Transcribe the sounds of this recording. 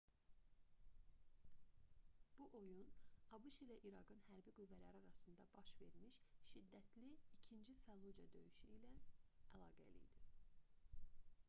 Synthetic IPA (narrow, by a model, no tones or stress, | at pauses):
b̥uʔo̞junɑbuʃilæʔiɾɑɡɯnhæɾbiɡuvːælæɾiɑɾɑsɯnd̪ɑbɑʃve̞ɾmiʃʃid̪ːæt̪ʰliicʰind͡ʒifælˠud͡ʒɑ̰d̪ø̞jyʃyilæʔælˠɑ̰ːɡæ̰lḭjd̪i